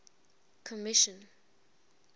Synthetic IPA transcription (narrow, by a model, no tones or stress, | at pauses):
kʰɔmɪʃə̃n